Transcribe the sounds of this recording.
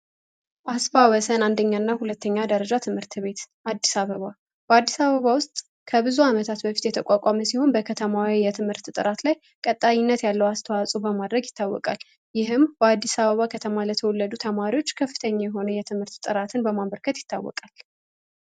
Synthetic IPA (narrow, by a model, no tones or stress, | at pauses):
ʔasfawɔsənand̪əɲːanːahulət̪ʰːəɲːad̪əɾəd͡ʒat̪ʰɨmhɨɾt̪ʰβe̞t̪ʔad̪ːisaβəβa | b̥əad̪ːisaβəβawʊst̪ʼ | kʰəbɨzuamət̪ʰat̪bəfi̥t̪jɛt̪ʰəkʼakʼaməsiho̞nbəkʰət̪ʰəmawijɛt̪ʰɨmhɨɾt̪t̪ʼɨ̰ɾat̪laj | kʼət̪ʼːaɲɪnːət̪jalːəwast̪ʰəwasʼubəmad̪ɾəɡjɪt̪ʰːawːɔ̰kʼa̰l | jɪɦɨmbəad̪ːisaβəβakʰət̪ʰəmalət̪ʰəwɔlːəd̪ut̪ʰəmaɾiwo̞t͡ʃːkʰəfːɨt̪ʰəɲːajɛɦo̞nəjɛt̪ʰɨmhɨɾt̪t̪ʼɨɾat̪ʰɨnbəmaβəɾkʰət̪jɪ̥t̪ʰːawːɔ̰kʼal